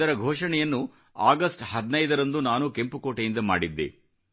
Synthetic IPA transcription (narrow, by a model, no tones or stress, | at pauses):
ɐɾɐɡʱoːʂɐɳɛjɐnːu | aːɡɐsʈhɐd̪nɐjd̪ɐɾɐnd̪unaːnukempukoːʈɐjind̪ɐma̰ːɽid̪ːḛ